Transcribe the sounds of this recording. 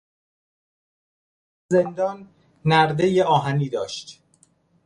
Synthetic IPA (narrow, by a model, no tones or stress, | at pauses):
ze̞nd̪ɒːnː | æɾd̪ejeɒːɦæniːd̪ɒːʃt̪